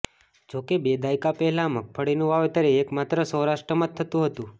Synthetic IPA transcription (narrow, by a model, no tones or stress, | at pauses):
d͡ʒokebed̪ajkapɛɦɛlãmək̚fəɽinũʋaʋet̪əɾeːkmat̪ɾəsə̃wɾaʃʈɾəmat̪ʰːət̪ũɦət̪ũ